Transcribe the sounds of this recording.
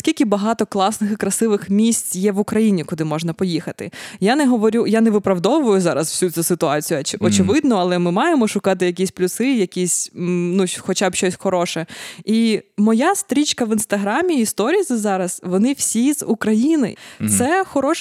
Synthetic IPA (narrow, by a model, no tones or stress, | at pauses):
sʲkʲilʲkʲɪbɐɦɑt̪ɔklˠɑsnɪxɪkɾɐsɪʋɪxmʲisʲt͡sʲjɛʋʊkɾɐjinʲikʊd̪ɪmɔʒnɐpɔjixɐt̪ɪ̰janɛɦɔʋɔɾʲujanɛʋɪpɾɐwd̪ɔʋʊjʊzɑɾɐsw̥sʲut͡sʲusɪt̪ʊɑt͡sʲijʊɔt͡ʃɪʋɪd̪nɔɐlˠɛmɪmɑjemɔʃʊkɑt̪ɪjɐkʲisʲplʲʊsɪjɐkʲisʲnuxɔt͡ʃabʃɔsʲxɔɾɔʃɛimɔjast̪ɾʲit͡ʃkɐʋinst̪ɐɦɾamʲiːst̪ɔɾʲizɪzɑɾɐz̥ʋɔnɪwsʲizukɾɐjinɪ̰t̪sɛxɔɾɔʃ